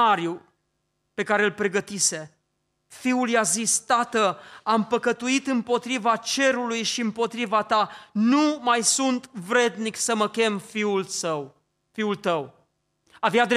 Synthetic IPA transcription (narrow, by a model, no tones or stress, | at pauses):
aɾju | pe̞kaɾe̞lpɾe̞ɡət̪ise̞ | fiuljazist̪at̪əampəkət̪uit̪ɨmpo̞t̪ɾivat͡ʃe̞ɾulujʃiɨmpo̞t̪ɾivat̪anumajsunt̪vɾe̞d̪niksəməkʲe̞mfiulsəw | fiult̪əw | avjad̪